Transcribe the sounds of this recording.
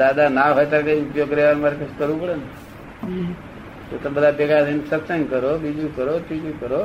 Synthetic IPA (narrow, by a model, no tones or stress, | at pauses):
d̪ad̪anaɦojt̪aɾkaiupjoɡkəɾjaʋaɾmaɾekʰəskəɾʋũpəɽene | t̪ot̪əbəd̪ʱapɛɡad̪ənsəpsəŋkəɾobid͡ʒũkəɾot̪id͡ʒukəɾo